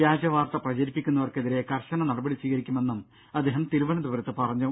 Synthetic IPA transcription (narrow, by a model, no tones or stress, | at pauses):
jaːd͡ʑɐʋaːrt̪ɐprɐt͡ɕɐɾipːikʲːunːɐʋɐrkeðiɾe̞kɐrɕɐnɐnɐɽɐbɐɽisʋiːɣɐɾikʲːume̞nːum | ɐd̪ːeːɦɐmt̪iɾuʋɐnɐd̪uʋɐɾɐt̪ːɨpɐrɐɲːu